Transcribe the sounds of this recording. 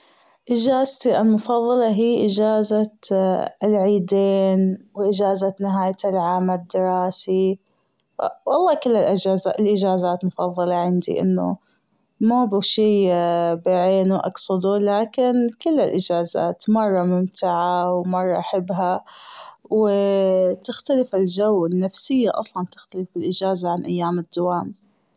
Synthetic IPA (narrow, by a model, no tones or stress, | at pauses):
ʔɪd͡ʒaːzt̪iʔalmʊfɑðˤːɑlɑɦiːʔɪd͡ʒaːza | ɪlʕiːd̪eːnwʔɪd͡ʒaːzanɪɦaːj̪ɪlʕaːmad̪ːɪɾˤɑːsi | wɑlˤːɑːkɪlːɪlʔɪd͡ʒaːzaʔɪlʔɪd͡ʒaːzaːt̪mʊfɑðˤːɑlɑʕɪnd̪ḭʔɪ̰nːʊ̰ | mabuʃiːbɪʕeːnuʔɑ̰ksˤʊd̪ulaːkɪnkʊlːɪlʔɪd͡ʒaːza̰ːt̪mɑrˤːɑmɪmt̪ʰaʕawmɑrˤːɑ̰ʔaħɪbːɦa | w | t̪ɪxt̪alɪfɪld͡ʒawɪnːafsɪjːaʔɑ̰sˤlɑnt̪ɪxt̪alɪfɪlʔɪd͡ʒaːzaʕanʔajːaːmɪd̪ːawaːm